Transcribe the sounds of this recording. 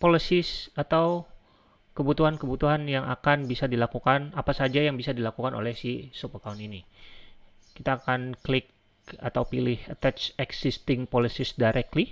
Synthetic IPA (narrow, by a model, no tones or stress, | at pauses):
polisɪsat̪aw | kəbut̪uɦankəbut̪uɦanjaŋa̰kanbisadilakukanapasad͡ʒajaŋbisadilakukanʔo̰lɛhsisupərkaunini | kit̪aːkanklɪk̚ | a̰t̪awpilɪhət̪ɛat͡ʃɛksist̪ɪŋpolisɪsdaɾʔɛk̚t̪li